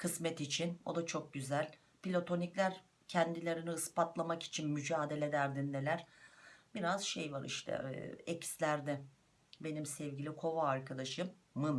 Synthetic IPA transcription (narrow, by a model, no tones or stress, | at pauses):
kʰɯsmɛt̪it͡ʃʰino̞d̪at͡ʃʰo̞k̚ɟyzælʲ | pilʲo̞t̪ʰo̞niclʲæɾ | cʰɛnd̪ilʲe̞ɾiniɯspat̪lˠamaki̥t͡ʃʰinmyd͡ʒaːd̪e̞lʲe̞d̪æɾd̪ind̪elʲæɾ̥biɾazʃejvaɾḭʃt̪ʰɛ̰ɛcslʲæɾd̪ɛ | be̞nimsɛvɟilʲikʰo̞vaːɾkʰad̪aʃɯmː | ɯn